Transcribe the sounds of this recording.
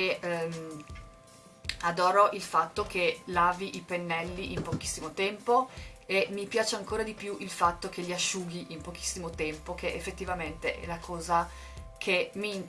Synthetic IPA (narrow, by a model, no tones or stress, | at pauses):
em | ad̪ɔːɾoʔilfat̪ːokʰelaːviʔipenːɛlːiʔimpok̟i̥sːimot̪ɛmpoemːipjaːt͡ʃeaŋkoːɾad̪ipjuʔilfat̪ːok̟eʎiaʃːuːɡiʔimpok̟i̥sːimot̪ɛmpokeʔefːet̪ːivament̪eʔɛ̰lakʰɔːza | kʰemːiːnt̪